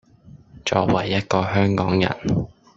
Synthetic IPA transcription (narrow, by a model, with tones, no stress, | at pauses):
t͡ʃɔ̰ː˧k̚wɐ˨˩jːɐ˥t̚kɔː˧hœː˥ŋkɔː˨˥ŋjɐ̰˨˩n